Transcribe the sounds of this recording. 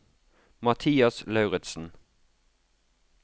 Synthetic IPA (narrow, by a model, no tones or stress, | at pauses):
mɑt̪ʰiːɑslɑʉʁɛt̪sn̩